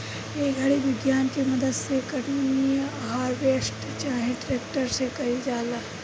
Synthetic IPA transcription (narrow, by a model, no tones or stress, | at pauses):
eɡʱɐɽiʋɪɡjaːnkemɐd̪əd̪sekɐɽniiɦaːɾʋeːsʈ | t͡ʃaːɦẽʈɾeːk̚ʈəɾsekɐɦid͡ʒaːla